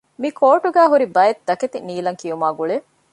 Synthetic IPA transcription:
mikʰoːʈuɡæːɦuɾibɐjet̪̚d̪ɐket̪iniːlɐŋkijumaːɡuɭe

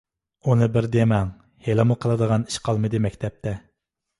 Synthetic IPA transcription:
unɨbɪɾd̪emɛŋ | helɨmuqʰəlˠɨd̪əʁɑni̥ʃqʰɑlˠmɨd̪ɨmɛkʲt̪ʰɛp̚t̪ʰɛ

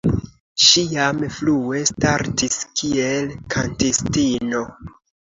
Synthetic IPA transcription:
ʃijamflue̞staɾtiskʰielkʰantestino̞

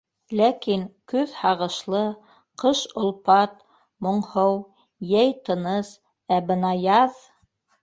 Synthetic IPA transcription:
lækiŋkʉðhɑʁɤ̆ʃlˠɤ | qɤʃŏlˠpɑt̪ | mŏɴhɤw | jæjt̪ɤ̆nɤs | æbɤ̆nɑjɑð

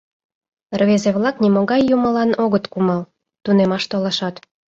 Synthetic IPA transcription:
rβezeβlɑknimoɣɑjːumə̆lɑnoɣət̪kumɑl | t̪unemɑʃt̪olɑʃɑt̪

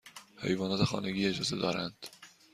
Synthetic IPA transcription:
he̞̰jvɒːnɒːt̪exɒ̰ːneɡʲiːe̞d͡ʒɒːzed̪ɒ̰ːɾænd̪̥

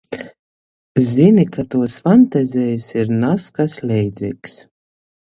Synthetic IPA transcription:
zinʲikʰat̪uɔsfant̪azʲɛjsiɾnaskaslʲɛjd̪zʲiks

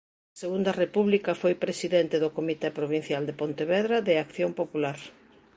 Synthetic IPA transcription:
ɐseɣund̪ɐrepuβlikɐfojpɾesiðɛnt̪eðokomit̪epɾoβin̟θjald̪epont̪eβɛðɾaðeakθjompopulaɾ

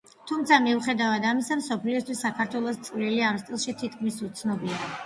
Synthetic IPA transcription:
t̪ʰumt̪sʰamiuχɛd̪avad̪amisamsɔpʰliɔst̪wisːakʰaɾt̪ʰwɛlˠɔst̪sʼvɾiliamst̪ʼilˠʃit̪ʰit̪̚ʰkʰmisut̪sʰnɔbia

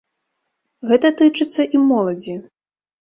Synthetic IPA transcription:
ɣɛt̪ɐt̪ɨt͡ʂɨt̪sːɐʔimɔlˠɐd͡zʲi

